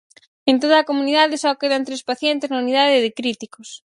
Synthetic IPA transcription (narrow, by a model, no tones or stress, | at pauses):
ent̪̬oð̞ɐːkomuniðaðɪsakeðant̪ɾespaθjent̪ɪznɐunið̞aðɪðɪkɾit̪ikos